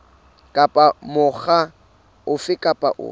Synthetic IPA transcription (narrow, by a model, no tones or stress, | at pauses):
kʼapʼamʊχa | ʊfɪkʼapʼa̰ʔʊ̰